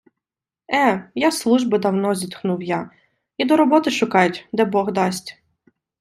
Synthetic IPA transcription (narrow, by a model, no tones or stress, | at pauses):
ɛjaslˠuʒbɪd̪ɐwnɔzʲit̪xnuwja | id̪ɔɾɔbɔt̪ɪʃʊkɑjʊtʲd̪ɛbɔɣd̪ɑsʲtʲ